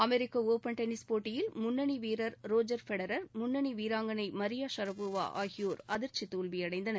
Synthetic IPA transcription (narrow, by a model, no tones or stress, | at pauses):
ɐmɛɾɪkːɐoːpɐɳʈɛnɪspoːʈːɪjɪlmʊnːɐɳiʋiːɾɐɾɾoːd͡ʒɐɾfɛɽɐɾɐɾmʊnːɐɳiʋiːɾaːŋɡɐnɐɪmɐɾɪjaːʃɐɾɐbuʋa̰ːʔa̰ːɣɪjoːɾɐðɪɾt͡ʃːit̪oːlʋɪjɐɽɐɪnd̪ɐnɐɾ